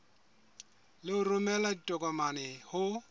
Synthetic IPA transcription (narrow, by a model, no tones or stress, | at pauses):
lɪʊrʊmɛladitʼɔkʼɔmanɛhʊ